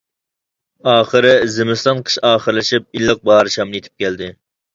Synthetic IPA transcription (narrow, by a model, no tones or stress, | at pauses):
ɑːχəɾɪzɪmɨst̪ɑnqʰə̥ʃɑːχəɾlˠɪʃip̚ilːəq̚bɑːɾɨʃɑmjet̪ʰɪ̥p̚kʲɛld̪ɪ